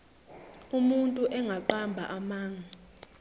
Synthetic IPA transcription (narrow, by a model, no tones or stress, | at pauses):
umuntʼuʔɛŋʱaǃambʱaʔamaːŋʱa